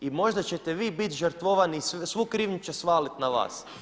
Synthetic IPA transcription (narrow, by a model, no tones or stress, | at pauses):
imo̞ʒd̪at͡ɕet̪eʋiːbit̪ʒəɾt̪ʋoʋaniːssʋukɾiːʋɲut͡ɕesʋaːlit̪naʋa̰ːs